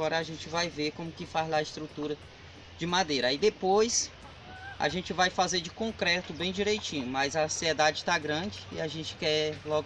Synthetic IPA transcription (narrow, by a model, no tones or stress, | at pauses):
ɔɾɐaʒẽnt͡ʃɪvajveɾkõmʊkɪfazlaɐɪst̪ɾut̪uɾɐ | d͡ʒɪmad̪ejɾɐid̪epojs | a̰ʒẽt͡ʃɪvajfazeɾd͡ʒɪkõkɾɛt̪ʊbẽj̃d͡ʒiɾejt͡ʃĩɲʊmɐjzɐsied̪ad͡ʒɪt̪aɡɾɐ̃d͡ʒɪḭaʒẽnt͡ʃɪ̥kɛlɔɡ